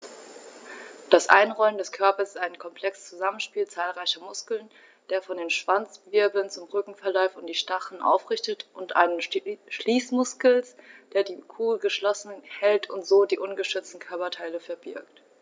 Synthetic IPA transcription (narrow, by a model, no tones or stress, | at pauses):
d̥asʔa̰ɪnʁɔlməndɛskʰœɐpɐsɪ̥saɪnkʰɔmpʰl̥ɛkst͡suzamənʃpiːlt͡saːlʁaɪçɐmʊskl̩n | d̥eːɐfɔndeːnʃv̥ant͡sv̥ɪɐbl̩nt͡sʊmʁʏkŋ̩fɛɐlɔʏfʊnt̚d̥iːʃtaχn̩ʔa̰ʊfʁ̥ɪçtətʔʊntʔa̰ɪnənʃliːsmʊskl̩sd̥eːɐdiːkʰuːlɡəʃlɔsn̩hɛltʰʊntz̥oːdiːʔʊnɡəʃʏt͡stn̩kʰœɐpɐtʰaɪləfɛɐbɪɐkt